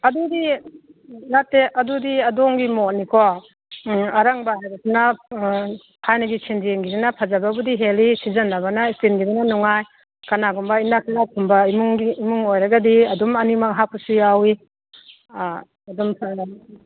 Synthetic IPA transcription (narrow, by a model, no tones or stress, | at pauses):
ɐdudi | ŋatːeʔɐdudiɐdɔŋɡimɔnikʰɔ | aɾaŋbaɦajɾasina | kʰajnaɡit͡ʃʰend͡ʒieŋɡidinapʰazababudiɦelisizanːaβanaistinɡidinanɔŋaj | kanaɡɔmbainaknakʰumbaimuŋɡiːmuŋojɾaɡadiɐdumɐnimakɦapusijawi | ɐdɔmpʰa